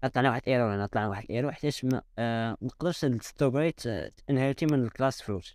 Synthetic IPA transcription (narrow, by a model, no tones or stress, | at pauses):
ʔɑt̪ˤlɑʕniwaħəd̪ʔiɾulænt̪ˤlɑʕniwaħəd̪ʔiɾuħt̪ːæʃmæ̰nəqd̪əɾʃd̪st̪obɾit̪ʔənhæɾt̪imənəlklæsflus